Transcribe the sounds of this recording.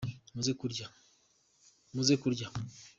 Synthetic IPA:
nuzekuɾɟa | nuzekuɾɟa

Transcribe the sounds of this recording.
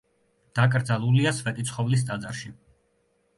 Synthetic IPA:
d̪̥akʼɾd̪zalˠuliasvɛt̪ʼit̪sʰχɔvlis̬t̪ʼad̪zaɾʃi

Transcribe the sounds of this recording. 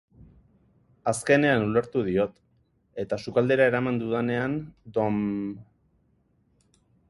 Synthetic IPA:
aske̞ne̞anule̞ɾt̪uðio̞t̪ | e̞t̪asukald̪e̞ɾae̞ɾamand̪uðane̞and̪o̞m

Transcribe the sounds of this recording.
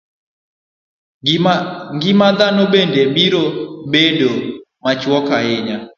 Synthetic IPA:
ŋɡɪmad̪anobendebiɾobedo | mat͡ʃwɔkaɪɲa

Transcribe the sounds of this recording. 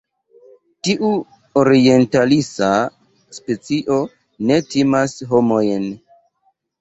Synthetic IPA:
tiʔu | oɾie̞ntalisa | spe̞t͡siʔo̞ | ne̞timasɦo̞mo̞jn

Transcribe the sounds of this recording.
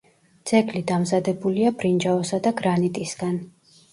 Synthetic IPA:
d̪z̥ʼɛɡlid̪amzad̪ɛbuliabɾind͡ʒaɔsad̪aɡɾanit̪ʼisɡ̥an

